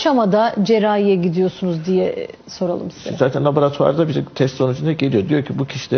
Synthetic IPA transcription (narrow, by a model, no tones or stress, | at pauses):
ʃamad̪ad͡ʒe̞ɾaːijɛɟid̪ijo̞sunuzd̪ijɛ | so̞ɾalˠɯ̰msizɛɛzaːt̪ʰɛnlˠaboɾat̪ʰua̰ɾd̪abiɾɛt̪ʰɛst̪so̞nud͡ʒynd̪aɟelʲijo̞d̪ijoɾcʰibucʰiʃilʲɛ